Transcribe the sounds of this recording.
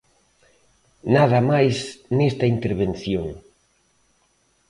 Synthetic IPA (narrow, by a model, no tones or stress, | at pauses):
naðɐmajsnest̪ɐint̪eɾβen̟θjoŋ